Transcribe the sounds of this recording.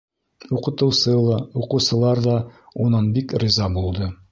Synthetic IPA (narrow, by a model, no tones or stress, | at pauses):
uqɤ̆t̪ɤ̆wsɤlˠɑuqɤ̆wsɤ̆lˠɑɾðɑunɑnbikɾĭzɑbulˠd̪ɤ